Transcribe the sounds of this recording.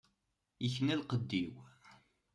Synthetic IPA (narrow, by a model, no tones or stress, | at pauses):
jəçnælqəd̪ːiw